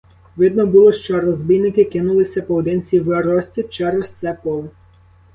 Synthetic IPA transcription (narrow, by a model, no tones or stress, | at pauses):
ʋɪd̪nɔbulˠɔʃt͡ʃɔɾɔzbʲijnɪkɪkɪnʊlˠɪsʲɐpɔwd̪ɪnt͡sʲiʋeɾɔsʲtʲit͡ʃɛɾɛst̪sɛpɔlˠɪ